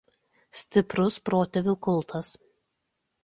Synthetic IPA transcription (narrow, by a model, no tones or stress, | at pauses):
sʲt̪ʲɪpɾʊspɾoːt̪ʲɛʋʲuːˑkʊlˠt̪ʰɐs